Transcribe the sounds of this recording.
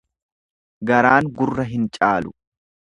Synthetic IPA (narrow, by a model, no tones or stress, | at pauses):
ɡɐɾaːŋɡʊrːɐɦɪnt͡ʃʼaːlʊ̥